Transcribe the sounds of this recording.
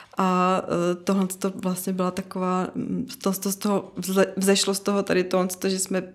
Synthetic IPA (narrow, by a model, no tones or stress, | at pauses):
ʔa | t̪oɦlɛnt͡st̪ovlast̪ɲɛbɪlat̪akovaːst̪ost̪ost̪oɦoɛvzɛʃlost̪oɦot̪aɾɪt̪oɦlɛnst̪oʒɛsmɛ